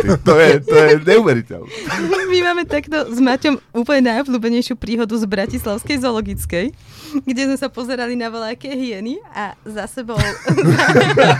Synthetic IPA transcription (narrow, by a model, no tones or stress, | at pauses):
t̪ɔjɛt̪ɔjɛɲɛuʋɛɾicɛ̰lnmimaːmɛt̪akt̪ɔzmacɔmuːpl̩ɲɛnajɔbʎuːbɛɲɛjʃɪupɾiːɦɔd̪uzbɾacislaʊskɛjzɔlɔɡit͡skɛj | ɡɟɛzmɛsapɔzɛɾalinaʋɔlakɛːɦɪɛniazasɛbɔʊ